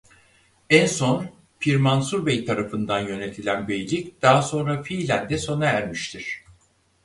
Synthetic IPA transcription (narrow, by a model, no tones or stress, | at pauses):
ænso̞n | fʰiɾmansuɾbejt̪ʰaɾafɯnd̪anjø̞ne̞t̪ʰilʲænbejlʲicd̪̥aɦaso̞nɾafilʲænd̪ɛso̞naæɾmiʃt̪ʰiɾ̥